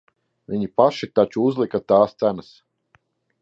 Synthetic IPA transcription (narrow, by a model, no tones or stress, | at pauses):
viɲipaʃit̪at͡ʃuuzlˠikat̪aːst̪sænas